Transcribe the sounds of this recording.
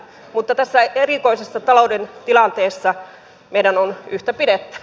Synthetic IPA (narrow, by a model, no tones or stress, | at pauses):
mut̪ːɑt̪æsːæerikoisesːɑt̪ɑloudent̪ilɑnt̪eːsːɑ | meidænonyht̪æpidet̪ːy̥